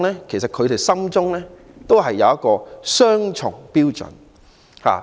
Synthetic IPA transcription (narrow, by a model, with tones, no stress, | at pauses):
lɛː˥kʰe˨˩js̬ɐ˨t̚kʰɵ˨˧ɥt̪e˨jsɐ˥mt͡sʊ˥ŋlɛː˥ | t̪o˥wɦɐ˨jːɐ˨wjɐ˥kɔː˧sœː˥ŋt͡ʃʰʊ̰˨˩ŋpiː˥wt͡sɵ̰˨˥n | ha̰ː˨